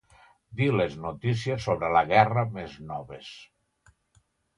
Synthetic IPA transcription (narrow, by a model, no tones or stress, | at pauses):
d̪ileznot̪is̬iesːoβɾeləɣɛrəmeznɔβ̞es